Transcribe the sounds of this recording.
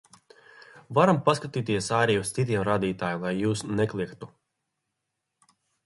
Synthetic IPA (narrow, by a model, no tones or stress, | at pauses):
vaɾampaskat̪iːt̪iɛsaːɾijust̪sit̪̬iɛmɾaːd̪iːt̪aːjamlˠajːuːsnɛklˠikt̪u